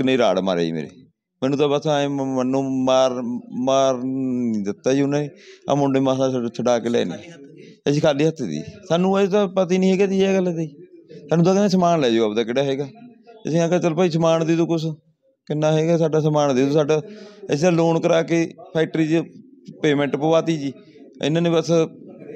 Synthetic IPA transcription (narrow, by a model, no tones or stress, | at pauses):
kɪneiːɾa̰ːɽma̰ɾḛːḭmḛːɾḛː | mɛːnũːt̪ãːbəsãːənːõːmaːɾmaːɾniːd̪ɪt̪ːaːd͡ʒiʊnãːiːã̰ːmʊɳɖeːmãːsãːsat͡ʃʰəɖaːkeːlɛ̰ːnḭː | əsiːkʰaːliːɦət̪ːd̪ḭːsaːnũːət̪ãːpət̪iːnĩːɦeːɡaːt̪iːɛːɡəlad̪iːsaːnũːt̪aːkɪnãːsəmaːnlɛːd͡ʒoːəbd̪aːkɪɽaːɦɛːɡaːsiãːkat͡ʃəlpəiːs̬əmaːɳd̪iːt̪oːkʊs̬ | kɪnːãːɦɛːɡaːsaːɖaːsəmaːɳd̪iːt̪oːsaːɖaːəs̬ãːloːɳkəɾaːkeːpʰɛːʈɾiːd͡ʒpeːmɛ̃ɳʈpəʋaːt̪iːd͡ʒiː | ɪ̰nːãːnẽːpəs